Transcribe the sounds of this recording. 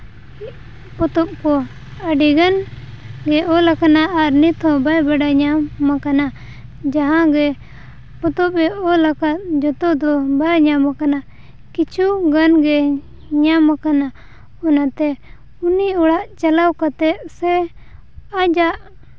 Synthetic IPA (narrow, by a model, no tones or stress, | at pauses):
pɔt̪ɔp̚kɔ | əɖiɡan | ɡɛʔɔlakanaʔːɾnit̪ʰɔ̃bajbaɖaɲamakana | d͡ʒaɦãɡɛ | pɔt̪ɔp̚ɾɛɔlakat̪̚d͡ʒɔt̪ɔd̪ɔbaɲamakana | kit͡ʃʰuɡanɡɛ | ɲamakana | ɔnat̪ɛ | uniɔɽaʔt͡ʃalawkat̪ɛʔ̪sɛ | ad͡ʒaʔ